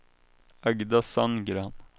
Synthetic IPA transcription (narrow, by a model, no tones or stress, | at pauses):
æɡd̪ɑsɑnɡɾɑn